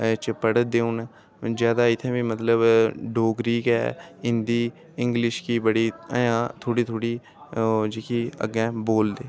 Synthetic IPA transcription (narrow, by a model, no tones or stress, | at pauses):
t͡ʃpəɽəd̪eːuːn | zjaːd̪aːɪt̪ʰːẽːʋiːmət̪ləbɖoːɡɾiːkɛ̰ːɪ̃nd̪iː | ɪ̃ŋɡlɪʃkiːbəɽiːə̰jãːt̪ʰoːɽiːt̪ʰoːɽiː | d͡ʒikiːə̰ɡɛ̃ːboːld̪eː